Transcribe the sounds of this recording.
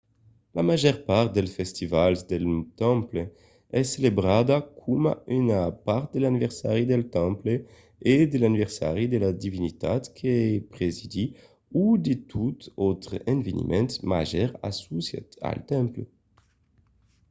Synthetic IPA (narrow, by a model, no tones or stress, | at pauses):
lamaʒɛʁpaʁt̪̚d̪ɛlsfɛst̪ivalzd̪elt̪ɑ̃mple | ɛsːelebʁad̪akʰumaynapaʁt̪̚d̪elanivɛʁsaʁid̪elt̪ɑ̃mple | ed̪elanivɛʁsa̰ʁid̪elad̪ivinit̪at̪kʰepʁezid̪i | ud̪et̪ʰut̪ot̪ʁɛ̃nvenḭmʔɛ̃nt̪ma̰ʒɛʁa̰susja̰t̪a̰lt̪ɛ̃mple